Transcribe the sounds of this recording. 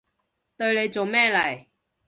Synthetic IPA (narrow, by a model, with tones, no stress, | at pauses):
t̪ɵ˧ɥle˨˧jt͡so˨wmɛː˥lɐ˨˩j